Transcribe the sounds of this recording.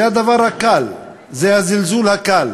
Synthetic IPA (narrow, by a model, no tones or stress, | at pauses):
ad̪avaʁhakal | zehazilzulhakal